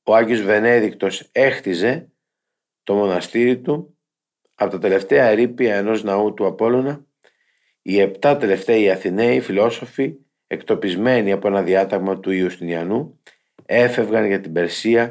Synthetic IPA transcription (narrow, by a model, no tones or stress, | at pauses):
o̞ɐɲʝio̞zve̞ne̞ðikt̪o̞se̞xt̪ize̞ | t̪o̞mo̞nɐst̪iɾit̪u | ɐpo̞t̪ɐt̪e̞le̞ft̪e̞ɐeɾipiɐe̞no̞znɐut̪uɐpo̞lo̞nɐ | ie̞pt̪ɐt̪e̞le̞ft̪e̞ɐiɐθine̞ifilo̞so̞fi | e̞kt̪o̞pizme̞niɐpo̞e̞nɐðiɐt̪ɐɣmɐt̪uiust̪iniɐnu | e̞fe̞vɣɐnʝɐt̪ibe̞ɾsiɐ